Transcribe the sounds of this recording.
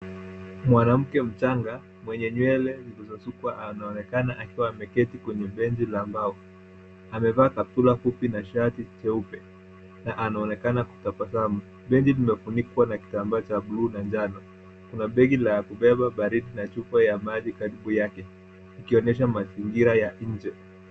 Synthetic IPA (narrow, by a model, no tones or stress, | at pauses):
mwanam̩kɛm̩t͡ʃaŋɡa | mwɛɲɛɲwɛlɛlilizɔsukwaʔanaɔnɛkanaʔakiwaːmɛkɛtikwɛɲɛɓɛɲd͡ʒilaːmbaɔ | amɛvaːkatulafupinaʃatit͡ʃɛupɛ | naʔanaɔnɛkanaku̥tapasamu | ɓɛɲd͡ʒilimɛfunikwanaki̥tambaːt͡ʃaɓluːnaɲd͡ʒanɔ | kunaɓɛɡilakuɓɛɓaɓaɾiɗinat͡ʃufajamaʄikaɾiɓujakɛ | ikiɔnɛʃ̬amaziŋɡiɾajaɲ̩d͡ʒɛ